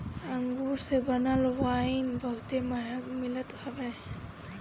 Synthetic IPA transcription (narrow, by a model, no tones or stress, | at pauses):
aŋɡuɾsebənalwainbəɦut̪eməɦakmilət̪hɔbe